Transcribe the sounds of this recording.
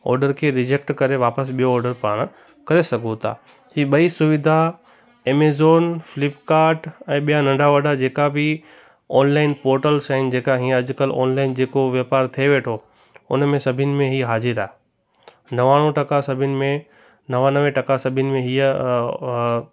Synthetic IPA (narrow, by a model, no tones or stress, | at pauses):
ɔ̰ːɾɖəɾkʰeːɾɪd͡ʑek̚ʈkɐɾeʋaːpəsɓijoːɾɖəɾpaːɽ̃ | kɐɾesɐɡʱõt̪ʰa̰ː | hiːɓɐisʊʋɪd̪ʱa | eːmeːzoːnfɪlɪpkaːɾʈɛ̃ːɓijanɐ̃ɳɖaʋɐɖad͡ʑeːkabʱɪ | ɔːnlaːɪnpoːɾʈəlsaːɪnd͡ʑeːkaɦĩːə̃ɐd͡ʑʊkəlɔ̰ːnlaːɪnd͡ʑeːkoʋjɐpaːɾt̪ʰieʋeːʈʰo | ʊ̰nmẽsɐbʱɪnɪ̆mẽɦiːɦaːzɪɾaːɦ | nɐʋaːɽ̃ũʈɐkasɐbʱɪnɪ̆mẽ | nɐʋanɐʋẽʈɐkasɐbʱɪnɪ̆mẽɦiə